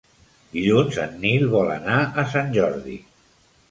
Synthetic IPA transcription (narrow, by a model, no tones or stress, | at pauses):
iʎunzə̰nːilˠβɔlə̰naəsanʲʒɔɾðḭ